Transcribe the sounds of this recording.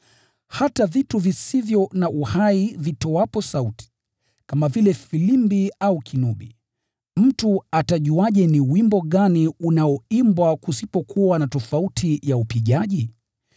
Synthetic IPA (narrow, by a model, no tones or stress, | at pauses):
hatavituvisivjɔnaʔuhaivitɔwapɔsauti̥ | kamavilɛfilimbiaukʰinuɓḭ | m̩tuataʄuaʄɛniwimbɔɠaniunaɔimbwakusipɔkʰuwanatɔfautʰijaupiʄaʄi